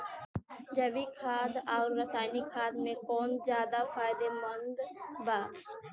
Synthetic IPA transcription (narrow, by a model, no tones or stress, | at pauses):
d͡ʒəbikʰaːd̪ɔːɾːəsaːnikʰaːd̪mẽkɔːnd͡ʒjaːd̪afaːɪd̪emənd̪baː